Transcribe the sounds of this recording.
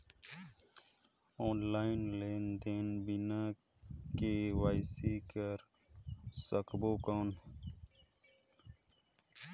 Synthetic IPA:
oːnlaːinleːnd̪eːnbinãː | kewaːjsikəɾ | səkboːkaːn

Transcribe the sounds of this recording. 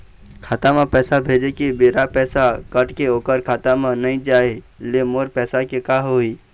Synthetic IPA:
kʰaːt̪amãpɛːsabʱeːd͡ʒekibeːɾapɛːsakəʈkeoːkəɾkʰaːt̪amãnəɦĩd͡ʒaːe | lemoːɾpɛːsakekaːɦoːiː

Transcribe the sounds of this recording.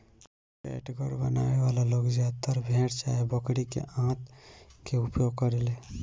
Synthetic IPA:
pḛʈɡəɾbənaeʋalaloɡd͡ʒat̪əɾbʱẽʈt͡ʃa̰ɦebəkɽikḛʔãt̪keupjoɡ̚kəɾele

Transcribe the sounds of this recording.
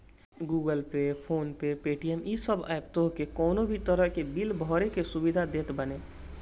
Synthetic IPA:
ɡuɡəlpepʰoːnpepeʈijəmisəbʱa̰ebt̪oɦkekɔːnobʱit̪əɾəɦkebilbʱɔɾekesubid̪ʱad̪et̪bəne

